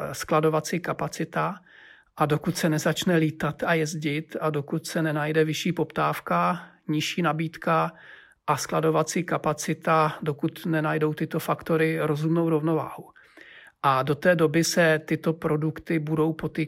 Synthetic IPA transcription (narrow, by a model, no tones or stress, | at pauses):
sklado̞vat͡siːkapat͡sɪt̪a | ʔado̞kut̪sɛnɛzat͡ʃnɛliːt̪at̪ajɛzɟɪt̪ado̞kut̪sɛnɛnajdɛvɪʃiːpo̞pt̪aːfka | ɲɪʃiːnabiːt̪ka | ʔasklado̞vat͡siːkapat͡sɪt̪ado̞kut̪nɛnajdo̞wt̪ɪt̪o̞fakt̪o̞ɾɪɾo̞zumno̞wɾo̞vno̞va̰ːhu | ʔado̞t̪ɛːdo̞bɪsɛt̪ɪt̪o̞pɾo̞dukt̪ɪbudo̞wpo̞t̪i